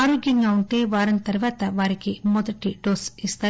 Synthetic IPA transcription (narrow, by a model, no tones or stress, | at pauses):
aːɾoːɡjɐŋɡaːuɳʈeːʋaːɾɐnɐt̪ɐɾʋaːt̪ɐʋaːɾikimɔd̪ɐʈːiɖoːsist̪aː